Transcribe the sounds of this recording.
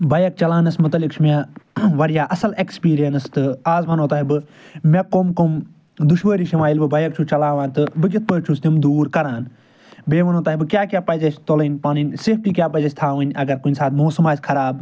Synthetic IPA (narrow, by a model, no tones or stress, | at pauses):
bɐjɐk̚t͡ʃɐlaːnɐsmʊt̪ɐlikt͡ʃʰumaʋɐɾjaːʔɐsɐlekspiːɾijɐnɨst̪ɨaːzʋɐnoːt̪aːɦibɨ | mekomkom | d̪uʃʋəːɾiːʃimaːilbɨbɐjɐk̚t͡ʃʰut͡ʃɐlaːʋaːnt̪ɨbɨkʲit̪̚ʰpəːk̚t͡ʃʰust̪ʲimd̪uːɾkɐɾaːn | beːʋɐnoːt̪aːɦibɨkjaːkʲjaːpɐzɐt͡ʃʰʲt̪olɐnʲpaːninʲsif̚ʈiːkʲjaːpɐd͡ʒɐsʲt̪ʰaːʋɐnʲɐɡɐɾkunʲsaːt̪ʰmoːsɐmaːsʲkʰɐɾaːb